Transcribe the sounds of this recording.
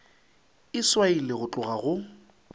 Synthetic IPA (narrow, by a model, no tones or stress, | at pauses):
ɪswailɪɣʊt͡ɬʼʊɣaɣʊ